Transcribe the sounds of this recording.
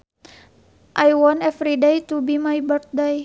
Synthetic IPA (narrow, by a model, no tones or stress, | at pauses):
ʔajwɔnɛfɾidajt̪ubimajbərt̪̚daj